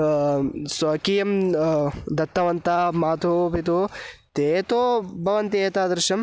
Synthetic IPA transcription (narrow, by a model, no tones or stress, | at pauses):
sɐkiːjɐm | d̪ɐt̪ːɐʋɐnt̪aːmaːt̪oːpit̪oːt̪eːt̪oːbʱɐʋɐnt̪eːt̪aːd̪ɾɪʃɐm